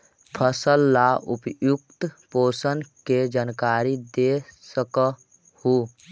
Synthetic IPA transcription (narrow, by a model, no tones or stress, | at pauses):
pʰəsəlːaʔupjukt̪poːsənked͡ʒankaɾid̪esəkə | hu